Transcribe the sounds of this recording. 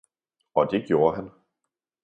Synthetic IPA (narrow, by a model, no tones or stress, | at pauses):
ɒ̽d̥e̝ɡ̥jo̝ːɐɦæn